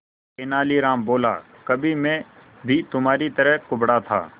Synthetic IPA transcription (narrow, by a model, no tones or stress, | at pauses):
eːnaːliːɾãːmboːla̰ː | kəbʱiːmẽː | bʱiːt̪ʊmaːɾiːt̪əɾəɦkʊbɽaːt̪ʰa̰ː